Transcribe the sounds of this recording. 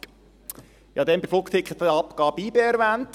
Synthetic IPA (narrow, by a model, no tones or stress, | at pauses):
jɑːd̪ɛnbɪflʊkt̪ʰɪkχət̪əɑpkɑːbiːbeæɾʋænt